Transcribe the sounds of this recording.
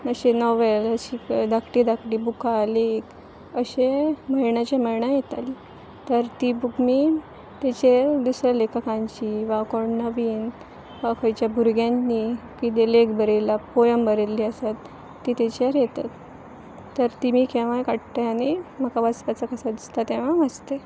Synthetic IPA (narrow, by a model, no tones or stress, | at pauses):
əɕenɔʋeləɕiːd̪akʈiːd̪akʈiːbukalek | əɕeməjɳat͡ɕaməjɳajet̪ali | t̪əɾt̪ibukmi | t̪at͡ɕeɾd̪usɾalekʰakãɲt͡ɕiʋakɔɳnəʋiːn | ʋakʰəjt͡ɕjabʱuɾɡjannikid̪elekbəɾelapojəmbəɾelːiːəsat̪ː | iːt̪at͡ɕaɾjet̪at̪ː | əɾt̪imiːkẽʋ̤ãjkaʈt̪aanim̤əkaʋaspat͡sakəsad̪ist̪at̪eʋ̤ãməst̪e